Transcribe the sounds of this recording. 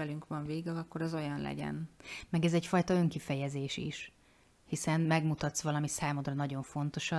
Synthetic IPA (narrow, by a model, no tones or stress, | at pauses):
ɛlyŋkʋɒɱveːɡɛlɒkːo̞ɾɛzo̞jɒnlɛ̰ɟɛ̰nmɛɡɛzɛcfɒjt̪ɒøŋkifɛjɛzeːʃḭʃ | hisɛnmɛɡmut̪ɒt̪sʋɒlɒmisaːmo̞d̪rɒnɒɟo̞ɱfo̞n̪t̪o̞ʃɒ